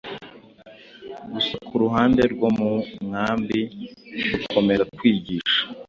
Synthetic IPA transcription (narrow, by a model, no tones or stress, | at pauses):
ɡusakuɾuɦaːnde̞ɾɡwo̞mumŋaːmbiukʰo̞me̞ɾatwiːɟiːʃḁ